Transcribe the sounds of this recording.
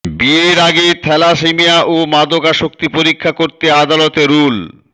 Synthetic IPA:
bieɾaɡet̪ʰɛlaʃemijaʔomad̪okaʃok̚t̪ipoɾikʰːakoɾt̪ead̪alɔt̪eɾul

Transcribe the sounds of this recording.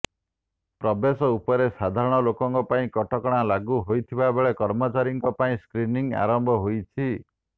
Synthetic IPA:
pɾɔbesɔupɔɾesad̪ʱaɾɔɽ̃ɔlokɔŋkɔpaĩkɔʈɔkɔɽ̃alaɡuɦojt̪ʰibabeɭekɔɾmɔt͡ʃaɾijɔŋkɔpaĩskɾiniŋa̰ɾɔmbʱɔɦojt͡ʃʰi

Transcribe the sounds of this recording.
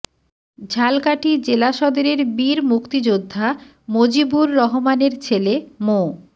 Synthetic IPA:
d͡ʑʱalkaʈid͡ʑelaʃɔd̪eɾeɾbiɾmukt̪id͡ʑod̪ʱːa | mod͡ʑibuɾːɔɦomaneɾt͡ɕʰelemo

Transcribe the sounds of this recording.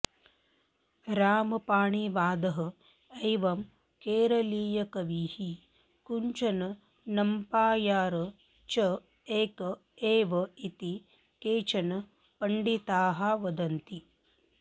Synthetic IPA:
ɾaːmɐpaːɳiʋaːd̪ɐɦɐ̆ | ɐjʋɐm | keːɾɐliːjɐkɐʋiːhi | kuɲt͡ʃɐnɐ | nɐmpaːjaːɾɨ | t͡ʃɐ | eːkɐ | eːʋɐit̪i | keːt͡ʃɐnɐ | pɐɳɖit̪aːɦɐʋɐd̪ɐnt̪i

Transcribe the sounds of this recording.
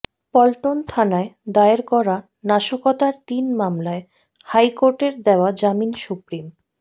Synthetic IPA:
pɔlʈont̪ʰanaed̪aeɾkɔɾa | naʃokɔt̪aɾt̪inmamlae | hajkoɾʈeɾd̪eoad͡ʑaminsupɾim

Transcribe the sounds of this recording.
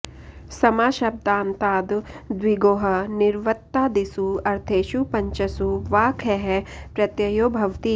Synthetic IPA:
sɐmaːʃɐb̚d̪ãːnt̪aːd̪d̪ʋiɡoːɦɐnɪɾʋət̪ːaːd̪isuɐɾt̪ʰeːʃupɐɲt͡ʃɐsuʋaːkʰɛɦɛpɾɐt̪jɐjoːbʱɐʋt̪iː

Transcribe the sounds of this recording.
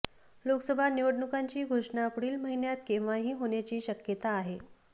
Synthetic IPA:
loksəbʱaniʋəɽɳukaɲt͡ɕiːɡʱoʂɳapɽiːlməɦinjat̪kẽʋaɦiːɦoɳjat͡ɕiːɕəkjət̪aːɦe

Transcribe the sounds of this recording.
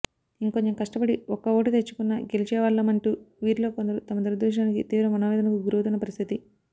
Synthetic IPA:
iŋko̞ɲt͡ʃemkɐʂʈɐbɐɽiɔkːɐoːʈut̪et͡ʃːu̥kunːɐɡelit͡ʃɛːʋɐlːɐmɐɳʈuːʋiːɾlo̞ːkond̪ɐɾut̪ɐmɐd̪uɾɐd̪uːʃ̬ɳaːnikit̪iːʋɾɐmɐnoːʋɛːd̪ɐnɐkuɡuɾuwut̪unːɐpɐɾist̪ʰit̪i

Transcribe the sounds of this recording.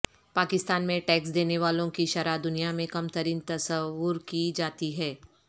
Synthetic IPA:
paːkɪst̪aːnmẽʈɛːksd̪eːneʋaːlõkiʃɐɾad̪ʊnijamẽkɐmt̪ɐɾiːnt̪ɐsəʋʊɾkid͡ʒaːt̪iɦɛː

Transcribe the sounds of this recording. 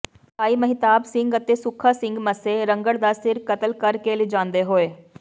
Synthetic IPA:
aːiːməɦɪt̪aːbsɪ̃ŋɡət̪eːsʊkʰːaːsɪ̃ŋɡməseːɾə̃ŋɡəɽd̪aːsɪɾkət̪əlkəɾkeːlɪd͡ʒãːnd̪eːɦoːeː

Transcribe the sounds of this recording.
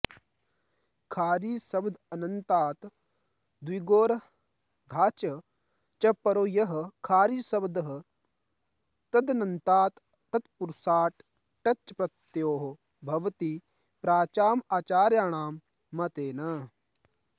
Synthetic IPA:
kʰaːɾiːsɐbd̪ʱɐnɐnt̪aːt̪ | d̪wiɡoːɾ | d̪ʱaːt͡ʃɐ | t͡ʃɐpɐɾoːjɐɦɐ̆kʰaːɾiːsɐbd̪ɐɦə | t̪ɐd̪ɐnɐnt̪aːt̪ː | ɐt̪puɾsaːʈ | ʈɐt͡ʃːpɾɐt̪joːɦ | bʱɐʋt̪i | pɾaːt͡ʃaːmaːt͡ʃaːɾjaːɳ̃aːmː | ɐt̪eːnɐ

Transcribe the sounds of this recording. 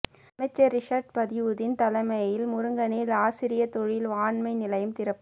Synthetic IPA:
ɐmɐɪt͡ʃːɐɾɪʂaːɾɖ̚pɐðɪʋɯðɪnt̪ɐlɐmɐjɪlmʊɾɯŋɡɐneːlaːsɪɾɪjɐt̪ɔɻɪlʋaːɳmɐɪnɪlɐjɯmt̪ɪɾɐpːɯ

